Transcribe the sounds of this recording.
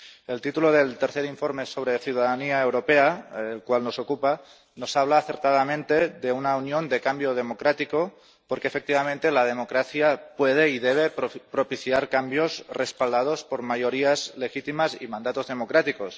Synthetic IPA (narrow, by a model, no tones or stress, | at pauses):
e̞lt̪it̪uloðelt̪eɾθeɾiɱfo̞ɾme̞so̞βɾeθjuðaðaniaewɾo̞peaelkwalno̞sokupa | no̞saβ̞laːθeɾt̪að̞amẽnt̪e̞ðeunaunjo̞nd̪e̞kambjoð̞e̞mo̞kɾat̪iko | poɾkeːfek̚t̪iβ̞amẽnt̪e̞lað̞e̞mo̞kɾaθjapweð̞e̞iðeβ̞epɾopiθjaɾkambjo̞srespald̪að̞o̞spoɾmajo̞ɾiazle̞xit̪imasḭmãnd̪at̪o̞zðe̞mokɾat̪iko̞s